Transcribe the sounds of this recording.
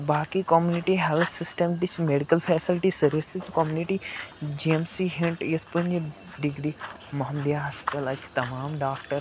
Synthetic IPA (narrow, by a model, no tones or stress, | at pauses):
baːkikoːmjuːnɪʈiɦelt̪ʰsɪsʈəmd̪ɪt͡ʃʰmeːɖikəlpʰɛːsɪlʈisɐɾʋɪsət͡ʃkoːmjuːnɪʈi | d͡ʒiemsiɦɪɳʈjespɐ̃ɲd͡ʒ | ɖɪɡɾiː | mɐɦmd̪jaːɦɐspt̪əlɐt͡ʃʰt̪ɐmaːmɖaːkʈəɾ